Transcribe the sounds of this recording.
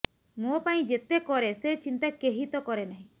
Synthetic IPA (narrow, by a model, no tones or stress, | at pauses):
mopaĩd͡ʒet̪ekɔɾeset͡ʃint̪akeɦit̪ɔkɔɾenaɦĩ